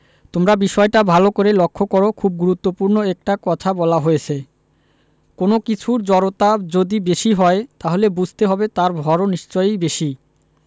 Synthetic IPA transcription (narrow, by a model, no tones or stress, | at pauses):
t̪omɾabiʃɔeʈabʱalokoɾelokʰːokoɾokʰub̚ɡuɾut̪ːopuɾnoɛk̚ʈakɔt̪ʰabɔlaɦojet͡ɕʰe | konokit͡ɕʰuɾd͡ʑɔɾot̪ad͡ʑod̪ibeʃiɦɔet̪aɦolebud͡ʑʱt̪eɦɔbet̪aɾbʱɔɾoniʃt͡ɕɔjbeʃi